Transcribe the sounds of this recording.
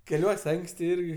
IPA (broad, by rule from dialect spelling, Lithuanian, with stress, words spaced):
kʲɛˈlʲuɔsʲ ˈɐŋksʲtʲɪ ˈɪrʲɡʲɪ